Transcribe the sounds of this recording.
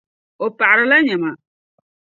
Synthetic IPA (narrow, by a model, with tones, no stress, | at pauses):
o˨pa˨ʔɾɪ˦la˦ɲɛ˨ma˨